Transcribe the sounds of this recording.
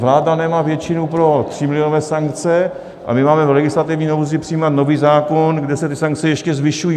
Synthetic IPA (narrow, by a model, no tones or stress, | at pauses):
vlaːdanɛmaːvjɛt͡ʃɪnupɾo̞t̪r̥ɪmɪlɪonovɛːsaŋkt͡sɛ | ʔa̰mɪmaːmɛvlɛɡɪslat̪ɪvɲiːnowzɪpr̥ɪjiːmat̪no̞viːzaːkonɡdɛsɛt̪ɪsaŋk̚t͡sɛjɛʃcɛzvɪʃujiː